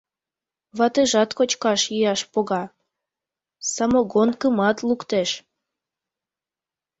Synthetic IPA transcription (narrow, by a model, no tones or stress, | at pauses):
βɑt̪eʒɑt̪kot͡ɕkɑʃjijɑʃpoɣɑ | sɑmoɣonkəmɑt̪lukt̪eʃ